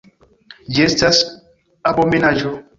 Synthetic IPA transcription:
d͡ʒestas | abɔmenad͡ʒo

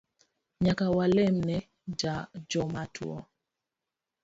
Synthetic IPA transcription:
ɲakawalɛmnɛ | d͡ʒad͡ʒɔmatʰwɔ̰

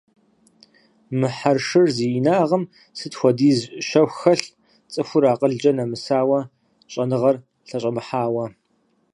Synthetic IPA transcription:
mɨħarʂɨrziːnaːʁɐm | sɨtxʷɔdiːzʃɐwxɐɬ | t͡sʼɨxʷʊɾaːqʼəɮd͡ʒʼɐnɐmɨsaːwɐ | ɕʼɐnɨʁɐr | ɬɐɕʼɐmɨħaːwɐ

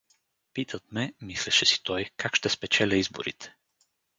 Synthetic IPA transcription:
pit̪ʰət̪̚mɛmislɛʃɛsi̥t̪ɔjkakʃt̪ɛspɛt͡ʃɛlʲəizbo̰ɾḭt̪ɛ̥

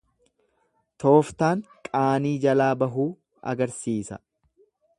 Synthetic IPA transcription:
t̪o̞ːft̪aːŋkʼaːniːd͡ʒɐlaːbɐɦuː | ɐ̰ɡɐɾsiːsɐ̰

